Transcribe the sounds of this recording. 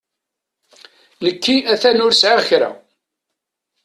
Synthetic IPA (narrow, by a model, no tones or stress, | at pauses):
nəkːiæθænʊɾsʕaçɾæ̰